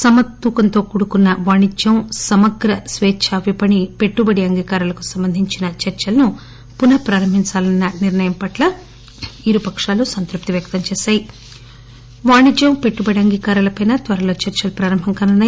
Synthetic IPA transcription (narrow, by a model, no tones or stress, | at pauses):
sɐmɐt̪ːuːkɐnt̪o̞ːkuːɽukunːɐʋaːɳid͡ʒɐmsɐmɐɡɾɐsʋɛːt͡ʃʰaːʋipɐɳipe̞ʈːubɐɽiɐŋɡiːkaːɾulɐku̥sɐmbɐnd̪ʱiɲt͡ʃinɐt͡ʃɐɾt͡ʃɐlɐnu | punɐpɾaːɾɐmbʱiɲt͡ʃaːlɐnːɐniɾnɐjɐmpɐʈlɐ | iɾupɐkʂaːlusɐnt̪ɾup̚t̪iʋjɐkt̪ɐmt͡ʃɛːʃaːji | ʋaːɳid͡ʒɐmpe̞ʈːubɐɽiɐŋɡiːkaːɾɐlɐpɐjnɐt̪ʋɐɾɐlo̞ːt͡ʃɐɾt͡ʃɐlɐpɾaːɾɐmbʱɐŋkɐnunːɐ